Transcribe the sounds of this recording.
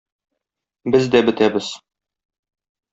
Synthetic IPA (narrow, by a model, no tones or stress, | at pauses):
bɘzd̪æbɘ̆t̪æbɘz̥